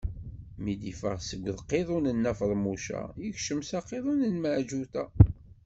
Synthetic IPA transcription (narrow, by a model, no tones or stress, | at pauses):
mid̪ifəʁsəɡʷːðqːeðˤunənːæfəðˤmuʃæ̰jəçʃəmsɑqːeðˤunənməʕʒut̪æ